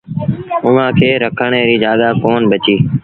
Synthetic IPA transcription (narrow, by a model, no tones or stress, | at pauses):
ʊʋãːkʰeːɾəkʰəɳ̃eːɾiːd͡ʒaːɗ̪aːkoːnbət͡ʃiː